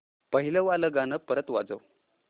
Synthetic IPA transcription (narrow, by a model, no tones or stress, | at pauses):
pəɦiləʋaləɡanəpəɾət̪ʋa̰d͡zə̰w